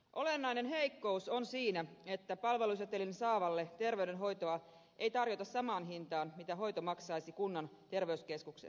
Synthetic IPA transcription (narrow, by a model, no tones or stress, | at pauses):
ʔo̞lenːɑjnenɦe̞ikːo̞usonsiːnæe̞t̪ːæpɑlʋe̞lus̬jɑt̪elinsɑːʋɑlːet̪e̞rʋeyɥde̞nɦo̞jt̪oɑ | ʔejt̪ɑrjot̪ɑssɑmɑːnɦint̪ɑːnmit̪æɦo̞jt̪omɑksɑijsikunːɑnt̪e̞rʋeyske̞skuksḛ